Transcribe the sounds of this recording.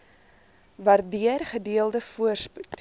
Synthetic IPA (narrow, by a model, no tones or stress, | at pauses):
vɐrdiərχədiəlˠdəfuərsput